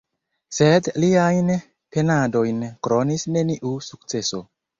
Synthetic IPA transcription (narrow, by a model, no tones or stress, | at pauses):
sedliajn | pe̞nado̞jnkɾonisne̞niʔusuk̚t͡se̞so̞